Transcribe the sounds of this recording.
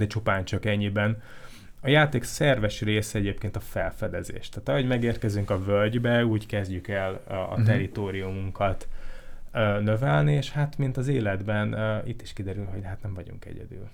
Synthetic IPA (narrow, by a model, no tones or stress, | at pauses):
ɛt͡ʃupaːɲt͡ʃɒkɛɲːibɛn | ɒjaːt̪eːksɛrvɛʃreːsɛɛɟeːpkeːnt̪ɒfɛlfɛd̪ɛzḛːʃt̪aːt̪ɒɦo̞ɟmɛɡeːrkɛzyŋkɒvølɟbɛuːɟkɛzɟykɛlɒ̰t̪ɛɾit̪oːɾijumuŋkʰɒt̪ | øːnøvɛlnieʃhat̪mint̪ɒzeːlɛd̪bɛnit̪ːiʃkid̪ɛɾylho̞ɟɦat̪nɛɱvɒɟṵŋkɛ̰ɟɛ̰d̪y̰ːl